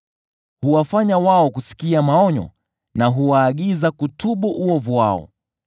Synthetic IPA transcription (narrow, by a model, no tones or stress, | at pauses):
huwafaɲawaɔkusi̥kiamaɔɲɔ̰ | naɦuwaːɠizakutʰuɓuʔuɔvuwa̰ɔ̰